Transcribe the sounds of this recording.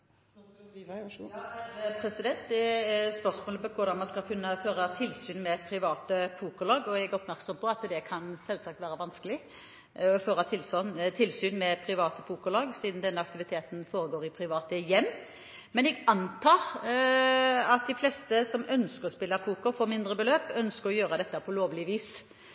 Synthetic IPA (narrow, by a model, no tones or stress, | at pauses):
pʰɾɛsɪd̪ɛnt̪d̪ɛspœʁsmoːləpɔkʰʊɾd̪ɑmɑnskɑlkʰʉnːəføːɾɑt̪ʰɪlːsyːnmɛpʰɾɪʋɑːt̪əfuːkʊlɑːɡɔɛɡæɔpmæɾksɔmpʰɔɑt̪d̪ɛkʰɑnsɛlsɑk̚t̪ʋæːɾəʋɑnskəlɪ | ɔføːɾɑt̪ʰɪlsnt̪ʰɪlsyːnmɛpʰɾɪʋɑːt̪əfuːkʊlɑːɡsiːd̪n̩d̪ɛnːəɑkt̪ɪʋɪt̪ʰeːt̪n̩foːɾəɡoːɾɪpʰɾɪʋɑːt̪əjɛmː | mɛnɛɡɑnt̪ʰɑːɾ | ɑt̪̚d̪ɪflɛːst̪əsɔmœnskəɾɔspɪlːɑfuːkɔfoːmɪnd̪ɾəbəløːpœnskəɾɔjøːɾəd̪ɛt̪ːəpʰɔloːʋlɪʋiːs